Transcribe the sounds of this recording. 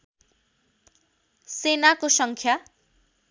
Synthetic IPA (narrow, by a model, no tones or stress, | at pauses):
senakosʌŋkʰja